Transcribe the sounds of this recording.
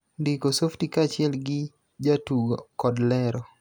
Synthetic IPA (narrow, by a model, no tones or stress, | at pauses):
ndikosoftikat͡ʃɪɛlɡɪ | d͡ʒatuɡokɔdlɛɾɔ